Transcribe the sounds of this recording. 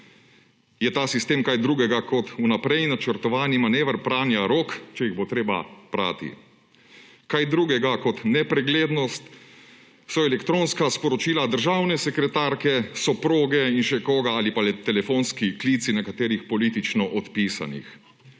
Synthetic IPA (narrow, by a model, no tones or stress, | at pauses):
jɛt̪aːsist̪eːmkajd̪ɾuːɡɛɡakɔt̪unapɾɛjnat͡ʃəɾt̪ɔʋaːnimaneːʋəɾpɾaːnjaɾoːkt͡ʃɛjiɣbot̪ɾeːba̰pɾa̰ːt̪ḭ | kajd̪ɾuːɡɛɡakɔt̪nɛpɾɛɡleːd̪nɔst̪ | sɔɛlɛkt̪ɾoːnskaspɔɾɔt͡ʃiːlad̪əɾʒawnɛsɛkɾɛt̪aɾkɛsɔpɾoːɡɛinʃɛkoːɡaaːlipalɛt̪ːɛlɛfoːnskikliːt̪sinɛkat̪eːɾixpɔliːt̪it͡ʃnɔʔɔt̪piːsa̰nḭx